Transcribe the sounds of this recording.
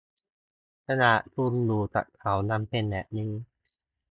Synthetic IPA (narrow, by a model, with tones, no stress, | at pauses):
kʰa˧na˨˩ʔsu˧˩luː˨˩t͡ɕa̰˨˩kkʰa˨˩˦wna˧˥mpe˧˨nːɛ˨˩ʔ̚nɯ˧˦ŋ